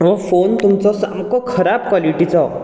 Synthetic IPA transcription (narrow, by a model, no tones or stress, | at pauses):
ʋɔ̃font̪umt͡sɔsamkɔkʰəɾab̚kwaliʈit͡sɔ